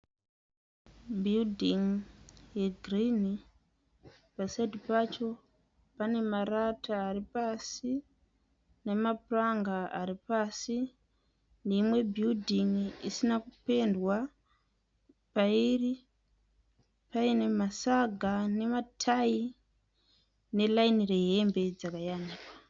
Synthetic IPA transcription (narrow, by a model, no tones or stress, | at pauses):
bʱildʱiŋjeɡʱrini | pasaidipat͡ʃo̞ | pane̞maratʰaːripasi | ne̞mapuraŋɡaaɾipaːsi | neimwe̞bʱildʱiŋisinakupe̞ndwa | pairi | paine̞masaɡʱane̞matʰai | ne̞lainire̞ɦe̞mbe̞d͡zakajaniːkwa